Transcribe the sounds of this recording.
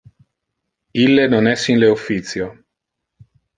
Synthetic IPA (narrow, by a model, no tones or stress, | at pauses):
ilːenonɛsːinleufːit̪sjo